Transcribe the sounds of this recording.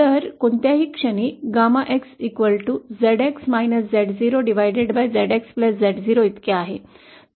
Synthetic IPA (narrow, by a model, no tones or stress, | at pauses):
əɾkoɳt̪jaɦiːkʂəɳiːɡamaʔeksikʋəlʈud͡zeɽeksmajnəsd͡zɛɽd͡ziɾoɖiʋajɖeɖbajd͡zɛɽekspləsd͡zɛʈd͡ziɾoit̪keaɦe